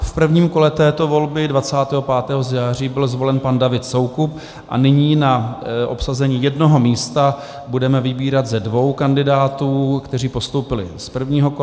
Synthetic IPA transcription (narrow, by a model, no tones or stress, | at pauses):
fpr̩vɲiːmko̞lɛt̪ɛːt̪o̞vo̞lbɪdvat͡saːt̪ɛːɦopaːt̪ɛːɦo̞zjaːr̝iːbɪlzvo̞lɛnpandavɪt̪so̞wkup̚ | ʔa̰nɪɲiːnaʔopsazɛɲiːjɛdno̞ɦo̞miːst̪a | budɛmɛvɪbiːɾat̪zɛdvo̞wkandɪdaːt̪uːkt̪ɛriːpo̞st̪owpɪlɪ̰spr̩vɲiːɦoko